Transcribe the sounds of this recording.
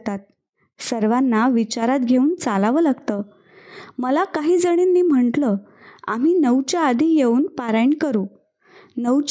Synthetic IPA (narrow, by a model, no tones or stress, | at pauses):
t̪at̪̚ | səɾʋanːaʋit͡ɕaɾat̪ɡʱeuːnt͡salaʋəlaɡt̪əː | məlakaɦiːd͡zəɽ̃inːiːm̤əɳʈlə | am̤iːnəwt͡ɕjaːd̪ʱijeuːnpaɾajɳkəɾu | nəwt͡ɕ